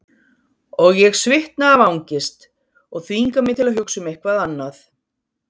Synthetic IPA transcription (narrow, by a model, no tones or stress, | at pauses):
ɔɣjɛɣsvɪht̪naːvawɲcɪst̪ | ɔɣθviŋkamɪɣt̪ʰɪlaðɦʏksʏmejhkvaðanːaθ